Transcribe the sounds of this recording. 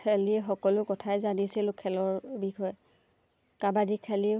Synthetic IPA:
ɛliɛxɔkɔlʊkɔtʰajzanisilʊkʰɛlɔɹbixɔjɛ | kabadikʰali

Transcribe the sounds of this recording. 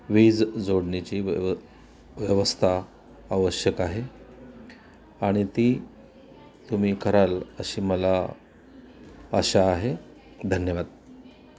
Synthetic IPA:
ʋiːd͡zd͡zoɽɳit͡ɕiː | ʋjəʋəst̪ʰa | aʋəɕjəkaɦe | aɽ̃it̪iː | t̪um̤iːkʰəɾaləɕiːməla | əɕaːɦe | d̪ʱənjəʋad̪̚

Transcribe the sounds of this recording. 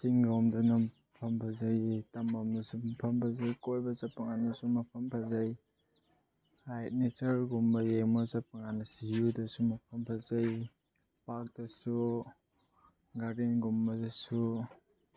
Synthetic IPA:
siŋɡomdɐna | pʰɐmpʰɐzajtɐmomdɐsumpʰɐmpʰazajkojbɐzɐpːɐŋanɐsumɐpʰɐmpʰazaj | ajt̚net͡ʃɐɾɡumbɐjemozɐp̚aŋanɐsujudɐsumɐpʰɐmpʰazaj | pak̚d̥ɐsu | ɡadinɡumbɐdɐsu

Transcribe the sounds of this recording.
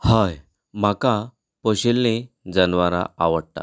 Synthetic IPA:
haj | m̤aka | pəɕelne | d͡zənʋaɾa̰aʋəɽt̪a̰

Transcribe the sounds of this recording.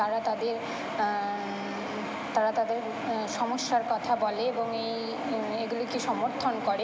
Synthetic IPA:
aɾat̪ad̪eɾ | t̪aɾat̪ad̪eɾ | ʃɔmoʃːaɾkɔt̪ʰabɔleeboŋejj | eɡulokiʃɔmoɾt̪ʰonkoɾe

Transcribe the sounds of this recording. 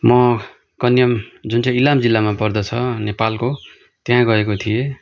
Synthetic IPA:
mʌ | kʌnjʌmd͡zunt͡sãilamd͡zilːamapʌrd̪ʌt͡sʰʌnepalko | t̪jɦãɡʌekot̪ʰije

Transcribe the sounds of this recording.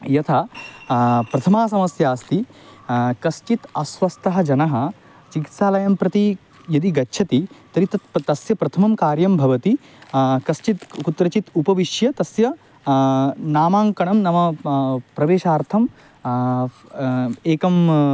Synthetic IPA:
jɐt̪ʰa | pɾɐt̪ʰɐmaːs̬ɐmɐsjaːst̪i | kɐst͡ʃit̪ɐsʋɐst̪ɐɦɐd͡ʒɐnɐɦɐ̆ | t͡ʃiki̥t̪saːlɐjɐmpɾɐt̪i | jɐd̪iɡɐtːʃʰɐt̪it̪ɐɾit̪ɐt̪t̪ɐsjɐpɾɐt̪ʰɐmɐmkaːɾjɐmbʱɐʋɐt̪i | kɐst͡ʃit̪kut̪ɾɐt͡ʃit̪upɐʋiʃjɐt̪ɐsjɐ | naːmaːŋkɐɳɐmnɐmɐpɾɐʋeːʃaːɾt̪ʰɐm | eːkɐm

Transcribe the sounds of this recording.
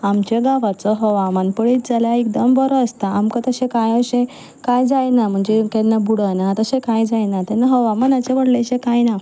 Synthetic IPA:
amt͡ɕeɡaʋat͡sɔɦɔʋamanpəɽit̪̚d͡zaljaek̚d̪əmbɔɾɔəst̪aamkət̪əɕẽkajəɕẽ | kajd͡zajnam̤əɳd͡zekẽnːabuɽənat̪əɕẽkajd͡zajnat̪enaɦɔʋamənat͡ɕẽʋəɽleɕẽkajna

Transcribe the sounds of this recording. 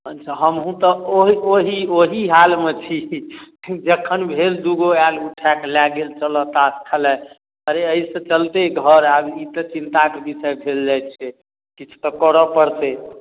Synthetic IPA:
ənt͡ʃʰaɦəmɦũt̪ɔoɦioɦioɦiɦalmet͡ʃʰi | d͡ʒəkʰːənbʱeld̪uɡoaluʈʰaklaɡelt͡ʃəlɔt̪askʰəlɛ | əɾeəisə̃t͡ʃəlt̪eɡʱəɾabit̪ət͡ʃint̪akebisɛbʱeld͡ʒajt̪t͡ʃʰɛ | kit͡ʃʰu̥t̪ɔkɔɾɔpəɾt̪e

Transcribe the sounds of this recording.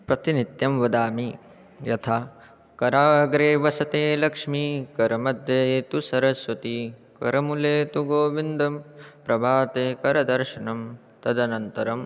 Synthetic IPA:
pɾɐt̪init̪jɐmʋɐd̪aːmi | jɐt̪ʰaː | kɐɾaːɐɡɾeːʋɐsɐt̪eːlɐkʂmikɐɾɐmɐd̪ʱjeːt̪usɐɾɐsʋɐt̪ikɐɾɐmuleːt̪uɡoːʋind̪ɐmpɾɐbʱaːt̪eːkɐɾɐd̪ɐɾʃɐnɐm | t̪ɐd̪ɐnɐnt̪ɐɾɐm

